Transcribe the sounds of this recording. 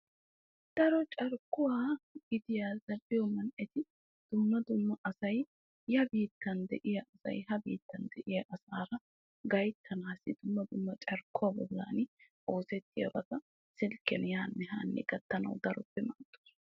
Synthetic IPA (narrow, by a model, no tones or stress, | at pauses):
d̪̥ɐɾɔt͡ʃʼɐɾkːʊwaːɡɪd̪ɪjaːzɐlːɪjɔmɐnʔɛt̪ɪ | d̪̥ʊmːɐd̪ʊmːɐʔɐsɐj | hɐbiːt̪ːɐnd̪ɛʔɪjɐʔɐsɐ̰jɦɐbiːt̪ːɐnd̪ɛʔɪjɐʔɐsaːɾɐ | ɡɐjt̪ʰːɐnaːsɪd̪ʊmːɐd̪ʊmːɐt͡ʃʼɐɾkːʊwaːbɔlːa̰ːnɪ | ʔoːsɛt̪ːɪjɐ̰bɐt̪ɐ | sɪlkːɛnjaːnːɛɦa̰ːnːɛ̰ɡ̥ɐt̪ːɐnɐ̰wd̪ɐɾɔpːɛmɐnt̪ːu̥ːs